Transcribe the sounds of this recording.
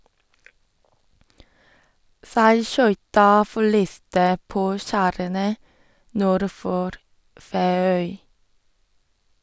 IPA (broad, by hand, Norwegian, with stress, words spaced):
sæɪˈʃœʏtɑ fɔˈɭiːstə ˈpoː ˈʃæːɾənə ˈnuːɾ ˈfoːɾ ˌfeːˈœʏ